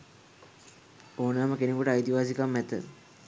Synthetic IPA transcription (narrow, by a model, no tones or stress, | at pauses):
oːnaːməkenekuʈəajt̪iʋaːs̬ikamːɛt̪ːə̰